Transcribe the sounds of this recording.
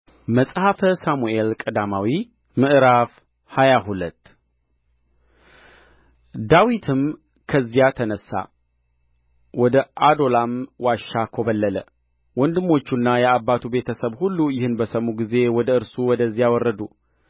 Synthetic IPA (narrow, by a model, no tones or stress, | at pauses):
məsʼhafəsamue̞lkʼəd̪amawi | mɨʔɾaf | hajaɦulət̪ː | d̪awit̪ʰɨm | kʰəzijat̪ʰənəsːa̰ | wɔd̪əʔad̪o̞lamwaʃːakʰo̞βəlːələ | wɔnd̪ɨmːo̞t͡ʃːunːajɛabːat̪ʰube̞t̪ʰəsəβhulːujɪhɨnbəsəmːuɡize̞wɔd̪əɨɾsuwɔd̪əzːijawɔrːəd̪u